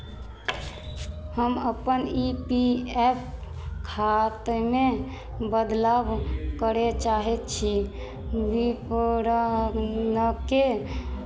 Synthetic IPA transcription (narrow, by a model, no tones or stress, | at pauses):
həməpənipiɛpʰ | kʰat̪me | bəd̪labkəɾet͡ʃaɦɛt̪t͡ʃʰi | bipoɾənəke